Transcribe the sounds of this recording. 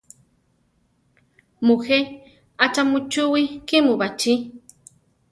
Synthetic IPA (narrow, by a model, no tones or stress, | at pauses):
muxe | at͡ʃamut͡ʃuwikimubat͡ʃi